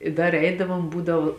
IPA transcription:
ɪ ˈdɐr ˈɛɪdɐʋoːm ˈbuːdɐʋʊ

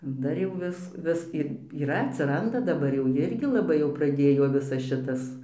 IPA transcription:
ˈdɐr jɛʊ ˈʋʲɪs ˈʋʲɪs ɪr iːˈrɐ ɐtʲsʲɪˈrɐndɐ dɐˈbɐr jɛʊ ˈjɪrʲɡʲɪ lˠɐˈbɐɪ jɛʊ prɐˈdʲeːjoː ˈʋʲɪsɐs ˈʃʲɪtɐs

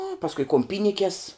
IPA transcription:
nʊ pɐsˈkʊɪ kʊm ˈpʲiːnʲɪkʲɛs

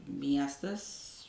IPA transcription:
ˈmʲiɛstɐs

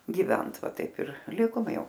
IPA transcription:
ɡʲɪˈʋʲɛnt ˈʋɐ ˈtɐɪp ɪr ˈlʲɪkoːm ˈjɛʊ

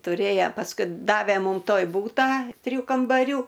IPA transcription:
tʊˈrʲeːjɛ pɐsˈkʊɪ ˈdɑːʋʲɛ ˈmuːm ˈtoːj ˈbuːtɑː tʲrʲɪˈjuː kɐmbɐˈrʲuː

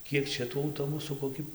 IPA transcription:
ˈkʲiɛk ˈt͡ʃʲɛ tuː ɐʊˈtoːbʊsuː koːˈkʲɪ

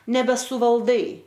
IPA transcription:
nʲɛbʲɛsʊʋɐlˠˈdɐɪ

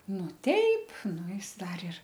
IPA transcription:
ˈnʊ ˈtʲɛɪp ˈnʊ ˈɪs ˈdɐr ɪr

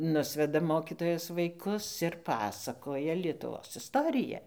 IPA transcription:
ˈnʊsʲʋʲɛdɐ ˈmoːkʲiːtoːjɛs ʋɐɪˈkʊs ɪr ˈpɑːsɐkoːjɛ lʲiɛtʊˈʋoːs ɪsˈtoːrʲɪjɛ

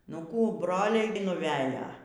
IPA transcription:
ˈnʊ ˈkuː ˈbroːlʲɛɪ nʊˈʋʲæːjoː

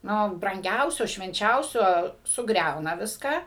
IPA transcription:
ˈnʊ brɐŋʲˈɡʲɛʊsʲoː ʃʲʋʲɛnʲˈt͡ʃʲɛʊsʲoː sʊˈɡrʲɛʊnɐ ˈʋʲɪskɑː

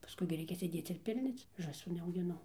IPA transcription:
pɐˈskʊɪ ɡʲɪ ˈrʲɛɪkʲɛ sʲeːˈdʲeːt͡s ɪr ˈpʲɪlʲnʲoːt͡s ʒɑːˈsuː nʲɛɐʊɡʲɪˈnɐʊ

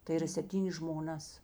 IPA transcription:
tɐɪ iːˈrɐ sʲɛpʲˈtʲiːnʲeːs ʒmoːˈnɐs

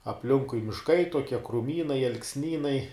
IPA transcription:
ɐpʲˈlʲɪŋkʊɪ mʲɪʃˈkɐɪ toːˈkʲiɛ krʊˈmʲiːnɐɪ ɐlˠksʲˈnʲiːnɐɪ

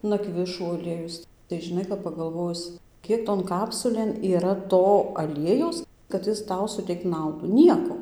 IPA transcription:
nɐˈkʋʲɪʃuː ɐˈlʲiɛjʊs tɐɪ ʒʲɪˈnɐɪ kɐp pɐɡɐlˠˈʋoːjʊs ˈkʲiɛk toːn ˈkɑːpsʊlʲeːn iːˈrɐ ˈtoː ɐˈlʲiɛjɛʊs kɐt ˈjɪs ˈtɐʊ sʊˈtʲɛɪkt ˈnɐʊduː ˈnʲiɛkoː

